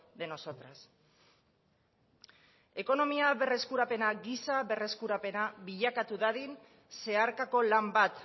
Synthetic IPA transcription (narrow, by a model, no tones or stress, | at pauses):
d̪e̞no̞sot̪ɾas | e̞ko̞no̞miaβe̞re̞skuɾape̞naɡisaβe̞re̞skuɾape̞naβiʎakat̪uðaðin | se̞aɾkako̞lambat̪